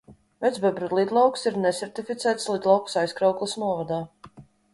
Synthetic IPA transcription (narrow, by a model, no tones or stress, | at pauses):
vɛt̪zbɛbɾɛd̪lˠid̪lˠawksiɾnɛsʲɛɾt̪ifʲit̪sæːt̪slˠid̪lˠawksajskɾawklˠisnuɔvad̪aː